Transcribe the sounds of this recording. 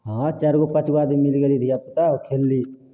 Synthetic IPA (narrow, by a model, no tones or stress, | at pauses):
ɦãːt͡ʃɐɾɡopɐt͡ʃɡaːd̪imɪlɡəlid̪ʱiɐpt̪akʰeːlːiː